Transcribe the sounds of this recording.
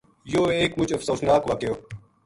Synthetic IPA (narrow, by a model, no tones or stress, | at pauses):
joːeːkmʊt͡ʃɐfsoːsnaːkʋɐkejoː